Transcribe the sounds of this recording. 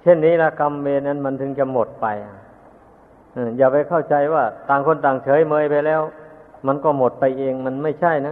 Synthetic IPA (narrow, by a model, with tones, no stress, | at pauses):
t͡ɕʰe˥˩nːiː˦˥˩lɛ˧˥˩ka˧mːeː˧nʔa˧˥˩nma˧nt̪ʰɯ˧˦ŋt͡ɕa˧mo˨˩t̪̚pa˧ja˧˩ | ʔɯː˧˩jaː˨˩pa˧jkʰa˥˩wt͡ɕa˧jwaː˥˩t̪aː˧˩ŋkʰo˧nt̪aː˨˩ŋt͡ɕʰɤː˨˦jmɤː˧jpa˧jlɛː˦˥˩wma˧nkɔː˥˩mo˨˩t̪̚pa˧jʔeː˧ŋma˧nma˥˩jt͡ɕʰa˥˩jna˦˥